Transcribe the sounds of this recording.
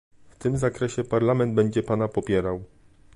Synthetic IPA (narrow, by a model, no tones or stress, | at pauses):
ft̪ɘmzakɾɛɕɛpaɾlamɛnd̪̚bɛɲd͡ʑɛpanapɔpʲjɛɾaw